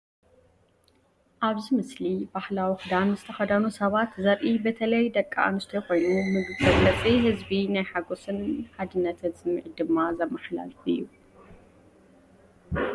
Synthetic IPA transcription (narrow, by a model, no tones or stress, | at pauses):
ʔaβzimɨslibahlawixɨd̪anzɨt̪ʰɐxɐd̪ɐnusɐβat̪zɐɾʔibɐt̪ʰɐlɐjd̪ɐkʼːa̰a̰nɨst̪ʰɐjko̞jnumɨɡɨzʼɐɡlɐt͡sʼihɨzbinajħaɡosɨnħad̪ɨnːɐt̪ʰɐt͡sʼɨmɨʕid̪ɨmːazɐmːɐxla̰lfɨ̰jːu